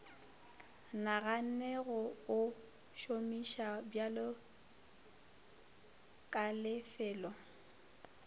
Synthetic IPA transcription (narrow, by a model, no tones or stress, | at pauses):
naɣan̩nɛɣɔʊ | ʃomiʃabjalɔ | kʼalɪfɛːlɔ